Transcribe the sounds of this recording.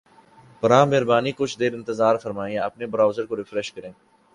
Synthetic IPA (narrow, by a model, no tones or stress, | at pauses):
pɐɾãːmeɦɾbaːniːkʊt͡ʃʰd̪eːɾɪ̃nt̪əzaːɾfɐɾmaːĩẽɐpnebəɾaːʊzəɾkoɾɪfɾɛʃkəɾẽː